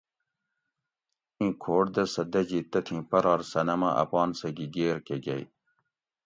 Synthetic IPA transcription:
ĩːkʰoːʈd̪ɐsɐd̪ɐd͡ʑit̪ɐt̪ʰĩpɐɾɑːɾsɐnɐmɐʔɐ̰pɑːnsɐɡiɡeːɾkeɡɐj

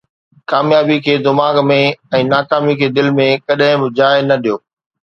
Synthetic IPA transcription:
kaːmjaːbikʰeːd̪ɪmaːɡmẽɛ̃ːnaːkaːmikʰeːd̪ɪlmẽkɐɗɦɪ̃bɪd͡ʑaːɪnɐɗijoː

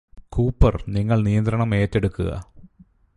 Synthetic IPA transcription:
kuːpːɐrniŋːɐɭnijɐnd̪ɾɐɳɐme̞ːtːe̞ɽukːuɣɐ̰

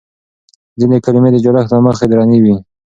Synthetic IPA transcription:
zinekaɾɪmed̪əd͡ʒʊɾaxlaməxed̪ɾɑniwi

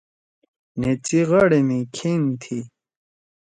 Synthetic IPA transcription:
net͡siʁɐɽemikʰint̪ʰi

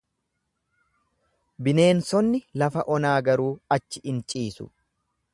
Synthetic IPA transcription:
bɪne̞ːnsɔnːɪlɐfɐʔɔnaːɡɐɾuːɐt͡ʃːɪʔɪnt͡ʃʼiːsʊ̰

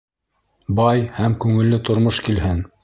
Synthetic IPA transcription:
bɑjhæmkʉŋɘ̆lːɘt̪ŏɾmoʃkilhɘn

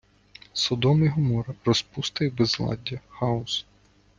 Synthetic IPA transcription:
sɔd̪ɔmiɦɔmɔɾɐrɔspust̪ɪjbezlˠɑ̰dʲːɐxɑʊs

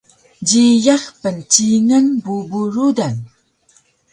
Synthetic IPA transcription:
ɟijaχpənt͡ʃiŋənbubuɾudan

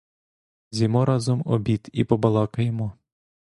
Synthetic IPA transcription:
zʲimɔɾɑzɔmɔ̰bʲit̪ipɔbɐlˠɑkɐjɛmɔ

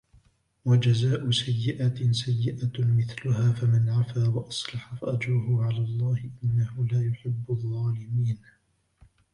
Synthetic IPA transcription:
wad͡ʒazaːʔʊsajːɪʔat̪sajːɪʔamɪθlʊhaːfamanʕafaːwɑʔɑsˤlɑħɑfaʔad͡ʒɾʊhʊʕalaːlˤːɑːhɪʔɪnːahʊlaːjʊħɪbːʊðˤːɑːlɪmiːn

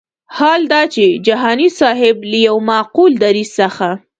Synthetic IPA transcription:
hɑld̪ɑt͡ʃed͡ʒaɦɑnisɑɦɪblajawmɑquld̪aɾizsəxa

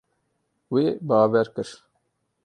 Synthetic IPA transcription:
weːbɑːwɛɾkɨɾ

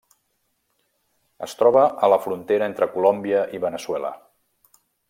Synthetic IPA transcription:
əst̪ɾɔβəʔələfɾunt̪eɾəent̪ɾəkulombiəʔiβənəswɛlə̰

